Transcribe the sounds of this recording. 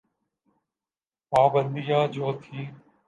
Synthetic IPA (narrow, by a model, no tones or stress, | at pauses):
paːbə̃nd̪ijaːd͡ʒoːt̪ʰiː